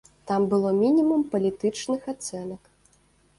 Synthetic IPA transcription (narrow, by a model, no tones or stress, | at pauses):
t̪ambɨlˠɔmʲinʲimumpɐlʲit̪ɨt͡ʂnɨxat̪sɛnɐk